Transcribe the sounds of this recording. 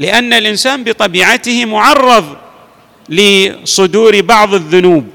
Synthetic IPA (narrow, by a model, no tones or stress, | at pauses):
lɪʔanːalʔɪnsaːnbɨt̪ˤɑbiːʕat̪ɪhmʊʕɑrˤːɑðˤ | lɪsˤʊd̪uːɾbɑʕðˤɪðːʊnuːb̚